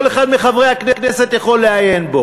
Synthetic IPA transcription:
oleχad̪meχavʁejhakneknɛset̪jaχo̞lːeajenbo

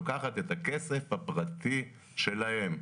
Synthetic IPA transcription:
kaχat̪et̪akese̞fhapʁat̪i | ʃe̞lahe̞m

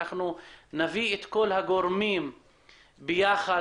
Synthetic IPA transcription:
aχnunaviet̪ko̞lhaɡo̞ʁmim | bejaχa

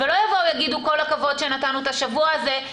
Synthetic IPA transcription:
velo̞javowjaɡid̪uko̞lakavo̞dʃe̞nat̪anuet̪aʃavuaːze̞

